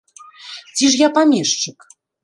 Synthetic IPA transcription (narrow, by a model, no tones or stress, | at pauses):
t͡sʲiʂjapamʲiʂt͡ʂɨk